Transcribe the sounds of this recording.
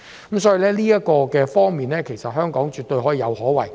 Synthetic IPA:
mm˨˥msɔː˨˥ji˨˧lɛː˥liː˥jɐ˥t̚kɔː˧kɛː˧fɔː˥ŋmiː˨nlɛː˥kʰe˨˩jsɐ˨t̚hœː˥ŋkɔː˨˥ŋt͡ʃyː˨t̪ɵ˧ɥhɔː˨˥jiː˧jɐ˨˧whɔː˨˥wɐ̰˨˩j

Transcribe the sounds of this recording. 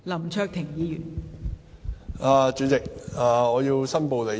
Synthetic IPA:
lɐ˨˩mt͡ʃʰœː˧k̚t̪ʰɪ˨˩ŋjiː˨˧jyː˨˩n | aː˨˧t͡ʃyː˨˥t͡sɪ˨k̚aː˨ŋɔː˨˧ji˧wsɐ˥npo˨wle˨˩

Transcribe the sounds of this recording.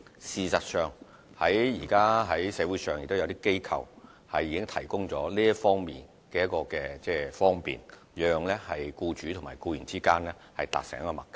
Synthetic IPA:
siː˨sɐ˨t̚sœː˨˧ŋ | hɐ˨˥jjiː˨˩kaː˥ɦɐ˨˥jsɛː˨˥wuː˨˥jsœː˨ŋjɪ˨k̚t̪o˥jɐ˨˧wt̪̬iː˥ke˥jkʰɐ˨˧w | hɐ˨jiː˨˧kɪ˥ŋt̪ʰɐ˨˩jkʊ˥ŋt͡sɔː˨˥liː˥ɐ˥fɔː˥ŋmḭː˨n | kɛː˧jɐ˥tkɔː˧kɛː˧t͡sɛː˥˩fɔː˥ŋpḭː˨n | jœː˨ŋlɛː˥hɐ˨jkuː˧t͡ʃyː˨˥t̪ʰʊ˨˩maː˨˩jkuː˧jyː˨˩nt͡siː˥kaː˥nlɛː˥hɐ˨jt̪a̰ː˨k̚sɛ̰ː˨˩ŋjɐ˥kɔ˧mɐ˨k̚ːɛ˧

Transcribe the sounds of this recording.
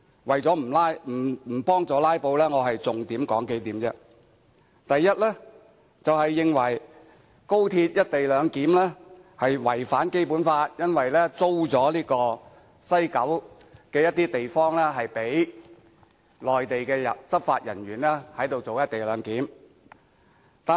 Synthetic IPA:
wɐ˨jt͡sɔː˨˥m̩˨˩laː˥jm̩˨˩˨pɔː˥ŋt͡sɔː˨˧laː˥jpo˧wlɛː˥ŋɔː˨˧ɦɐ˨jt͡sʊ˨ŋt̪iː˨˥mkɔː˨˥ŋke˧˥jt̪iː˨˥mt͡sɛ˧ | t̪ɐ˨jːɐ˥t̚lɛː˥ | t͡sɐ˨whɐ˨jːɪ˨ŋwɐ˨˩j | ko˥wt̪ʰiː˧t̚jɐ˥t̚t̪e˨jlœː˨˧ŋkiː˨˥mlɛː˥ | hɐ˨jwɐ˨˩jfaː˨˥nke˥jpuː˨˥nfaː˧t̚jɐ˥nwɐ˨jlɛː˥t͡so˥wt͡sɔː˨˥liː˥kɔː˧ | sɐ˥jkɐ˨˥w | kɛː˧jɐ˥t̚t̪ːiː˥t̪e˨jfɔː˥ŋlɛː˥ɦɐ˨jpe˨˥j | lɔː˨jt̪e˨jkɛː˧jɐ̰˨t͡sɐ˥p̚fa̰ː˧t̚jɐ̰˨˩nɥyː˨˩nlɛː˥hɐ˨˥jt̪o˨wt͡so˨wjɐ˥t̚t̪e˨jlœː˨˧ŋkiː˨˥m | t̪aː˨

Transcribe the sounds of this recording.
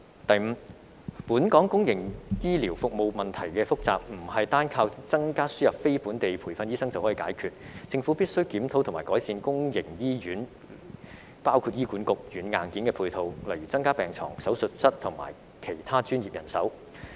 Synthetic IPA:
t̪ɐ˨jm̩˨˧ | puː˨˥nkɔː˨˥ŋkʊ˥ŋjɪ˨˩ŋjiː˥liː˨˩wfʊ˨k̚mo˨˧wmɐ˨nt̪ʰɐ˨˩jkɛː˧fʊ˥k̚t͡sa̰ː˨p̚m̩˨˩hɐ˨jt̪aː˥nkʰaː˧wt͡sɐ˥ŋkaː˥syː˥jɐ˨p̚fe˥jpuː˨˥nt̪e˨jpʰuː˨˩fɐ˧njiː˥sɐ˥ŋt͡sɐ˨whɔː˨˥iː˨˧kaː˨˥jkʰyː˧t̚t͡sɪ˧ŋfu˨˥pi˥t̚sɵ˥ɥkiː˨˥mt̪ʰo˨˥wt̪ʰmaː˨˩kɔː˨˥jsiː˧nkʊ˥ŋjɪ˨˩ŋjiː˥jyː˨˥n | paː˥wkʰu˧t̚jiː˥kuː˨˥nkʊ˨k̚jyː˨˥nŋaː˨˩nkiː˨˥nkɛː˧pʰuː˧jt̪ʰo˨˧wlɐ˨˩jɥyː˨˩t͡sɐ˥ŋkaː˥pɛː˨˩ŋt͡sʰɔ̰ː˨˩ŋsɐ˨˥wsɵ˨t̚sɐ˥t̚t̪ʰʊ˨˩ŋma̰ː˨˩j | kʰe˨˩jt̪ʰaː˥t͡ʃyː˥njiː˨p̚jɐ˨˩nsɐ̰˨˥w

